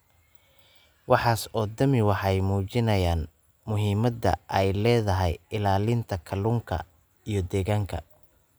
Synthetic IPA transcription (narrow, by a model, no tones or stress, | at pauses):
wɑħɑːsɔːd̪ɐmɪwɑħɛjmuːt͡ʃɪnɐjaːn | mʊɦiːmɐd̪ɐ̰ʔɛjlɛːðɐɦɛjɪlaːlɪnt̪ʰɐkʰɐluːŋkʰɐ̰ | ijɞd̪ɛːɣaːŋkʰɐ̰